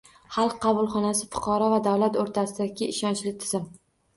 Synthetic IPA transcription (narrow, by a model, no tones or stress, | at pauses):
χɑlˠqʰːɑbʊlˠχɒnasɪfʊ̥qʰɑɾɒvad̪awlat̪oɾt̪ʰasɪd̪aɡʲɪɪʃɒnt͡ʃlɪt̪ʰɪz̥ɪm